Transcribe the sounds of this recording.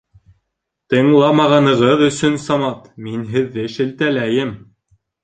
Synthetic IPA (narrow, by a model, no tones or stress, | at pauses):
t̪ɤ̆ɴlˠɑmɑʁɑnɤ̆ʁɤðɵ̆sɵnsɑmɑt̪minɦɘ̆ðːɘʃɘ̆lt̪ælæjɘm